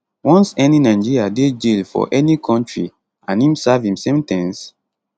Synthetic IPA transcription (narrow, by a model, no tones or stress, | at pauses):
wɔ̃nsɛninãɪ̃d͡ʒiɹiaded͡ʒilfɔ̰ʔɛnikʰɔ̃ntɹḭ | ãnĩmsavĩmsẽmtɛ̃ns